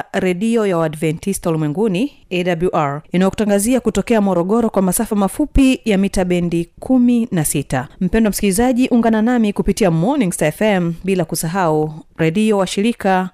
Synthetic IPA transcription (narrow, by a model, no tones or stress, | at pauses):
ɾɛɗiɔjawaːdvɛntistɔlimwɛŋɡuni | ɛdabluʔaɾinajɔku̥taŋɡaziakutɔkɛamɔɾɔɠɔɾɔkwamasafamafupijamitaɓɛndikʰuminasitam̩pɛndɔamsikilizaʄiʔuŋɡananamikupitiamɔnĩŋɡstaɛfɛmɓilakusaɦauɾɛɗiɔwaʃiɾika